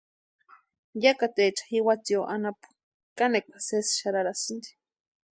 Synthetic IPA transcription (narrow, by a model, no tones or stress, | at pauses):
jakat̪et͡ʃḁhiwat͡sioʔanapu̥ | kanekʷḁsesʃaɾaɾasind̪i̥